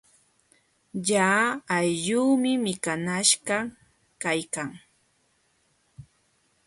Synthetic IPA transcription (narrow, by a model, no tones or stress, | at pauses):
jaːajʎuːmɪmɪkanaʃɢɑ | kajkaŋ